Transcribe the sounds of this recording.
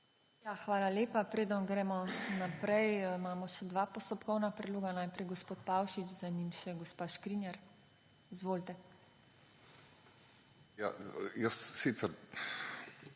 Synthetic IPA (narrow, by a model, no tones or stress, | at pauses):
jaxʋaːlaleːpapɾeːd̪ənɡɾɛːmɔnapɾɛjmaːmɔʃɛd̪ʋaːpɔst̪ɔpkɔwnapɾɛd̪loːɡanaːjpɾɛjɡɔspoːt̪pawʃit͡ʃzanimʃɛɡɔspaːʃkɾinjɛɾ | izʋoːlt̪ɛ | ja̰jəsːit̪sɛɾ